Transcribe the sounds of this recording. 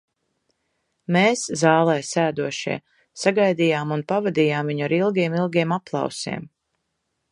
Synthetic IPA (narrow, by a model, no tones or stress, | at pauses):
meːszɑːlˠɛːjsæːd̪uɔʃḭɛ | saɡajd̪ijaːmunpavad̪iːjaːmviɲaɾilˠɡʲiɛmilˠɡʲiɛmaplˠɑ̰wsḭɛm